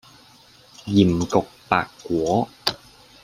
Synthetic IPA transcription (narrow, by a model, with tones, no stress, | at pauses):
ji˨˩mko˨˩k̚t̪a̰ː˨˩kːu˨˦